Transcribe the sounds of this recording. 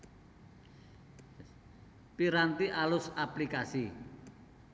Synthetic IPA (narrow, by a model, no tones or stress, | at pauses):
piɾant̪iʔalʊsaplikasi